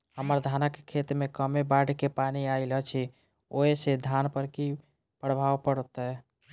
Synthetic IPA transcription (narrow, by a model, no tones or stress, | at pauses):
həməɾd̪ʱanəkkʰet̪mekəmebaɖkepaniaɪlət͡ʃʰi | oesed̪ʱanpəɾki | pəɽbʱawpəɽt̪ə